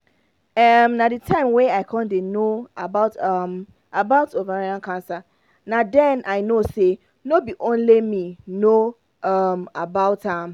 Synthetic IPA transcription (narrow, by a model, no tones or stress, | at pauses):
ɛmnaditʰãɪ̃mweaɪkʰɔ̃ndenoabaʊtam | ʔabaʊtovaɾãnkʰãnsa | nadɛ̃nʔaɪnose | nobiʔõnlemĩno | amabaʊtam